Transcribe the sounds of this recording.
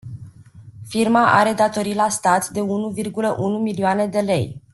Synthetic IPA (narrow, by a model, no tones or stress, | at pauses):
firmaʔa̰ɾe̞d̪at̪o̞ɾilast̪at̪d̪e̞unuvirɡuləʔunumilioane̞d̪e̞le̞j